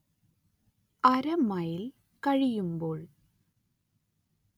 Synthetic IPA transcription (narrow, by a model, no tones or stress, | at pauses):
ɐɾɐmɐjil | kɐɻijumbo̞ːɭ